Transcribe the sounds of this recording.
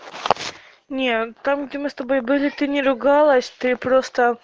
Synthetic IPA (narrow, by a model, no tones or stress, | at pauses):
nʲet̪amɡdʲemɨst̪ɐbo̞jbɨlʲɪt̪ɨnʲɪɾʊɡalˠəsʲt̪ɨpɾost̪ə